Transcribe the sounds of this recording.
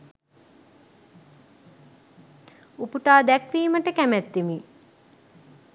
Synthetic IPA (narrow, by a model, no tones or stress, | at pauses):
upuʈaːd̪ækʋiːməʈəkæmæt̪ːimi